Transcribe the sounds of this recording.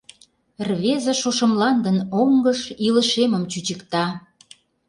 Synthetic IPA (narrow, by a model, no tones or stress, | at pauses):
rβezeʃoʃə̆mlɑnd̪ənoŋɡəʃiləʃemə̆mt͡ɕyt͡ɕəkt̪ɑ